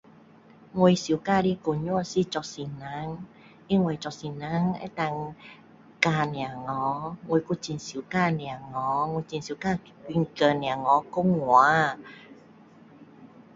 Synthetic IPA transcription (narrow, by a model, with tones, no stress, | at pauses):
ŋwo˧jsi˨˦ka˧˨ɾi˧˦ko˨ɲu˦˧˦si˧˨t͡ʃɔ˧˨si˨na˨˦ŋ | i˧˦ŋwe˨˧˨t͡ʃɔ˨˧˨si˨na˨˧˦ŋḛ˧˦t̪a˧ŋ | ka˧nj̃a˨ŋɔ˨˦ŋwo˧jku˧˨t͡ɕi˨˧˨nsi˨˦ka˧˨nĩ˨a˨ŋɔ˨˦ŋo˧t͡ɕi˧nsi˨˦kaː˧˨ | ki˧ŋ̩˧kə˧˨nĩ˧˨a˨ŋɔ˨˦ko˧˦ŋwa˨˦